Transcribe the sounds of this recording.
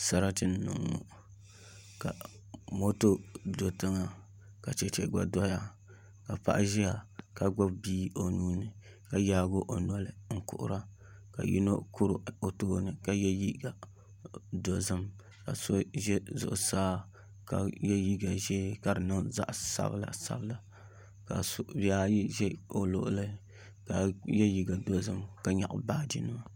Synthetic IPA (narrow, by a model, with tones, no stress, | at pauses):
sa˦ɾa˦tɨ˦n˦nʊ̰˨ŋːo̰˨ | ka˨ | mo˦to˦do˨tɨ˦ŋa˨ | ka˨t͡ʃɛ˨t͡ʃɛ˨ɡ͡ba̰˨dɔ˦ja˦ | ka˨pa̰˨ʔʒɛ˦ja˨ka˦ɡ͡ba˦bbiː˦o˨nuː˦nɨ˨ | ka˨jaː˦ɡo˦ʔo˨nɔ˨lɨ˨ŋ̩˦kʊ̰˨ʔʊ̰˦ɾa˦ | ka̰˨jḭ˦no˦kʊ˦ɾɨ˨o˨toː˦nɨ˨ka˦jɛ˦ji˦ɡa˨ | do˨zɨ˦m | ka̰˨so˦ʒɛ˦zʊ̰˨ʔʊ˨saː˦ | ka̰˨jɛ˦ji˦ɡa˨ʒɛ˦ka˨dɨ˨nɨ˦ŋza̰˦ʔsa̰˦bla̰˨sa̰˦bɨ˦la˨ | ka̰˨sʔba˦ʒɛ˦o˨lʊ˨ʔʊ˦lɨ˦ | ka˨jɛ˦ji˦˨ɡa˨do˨zɨ˦mka˨ɲa̰˨ʔʊ̰˦baː˦d͡ʒḭ˦nɨ˦wa˨